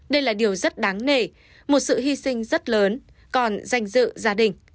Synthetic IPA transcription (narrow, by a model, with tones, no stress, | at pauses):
ɗə˧jlaː˨˩ɗi˨˩əwzə˦˥t̚ɗa˨˦ŋne˨˩ | mo˨˩t̚sɨ̰˧˨ɦi˧sï˧ŋ̟zə˦˥t̚ləː˨˦n | kɔ˨˩nza˧˩jŋ̟zɨ̰˧˨zaː˨˧˦ɗï˨˩ŋ̟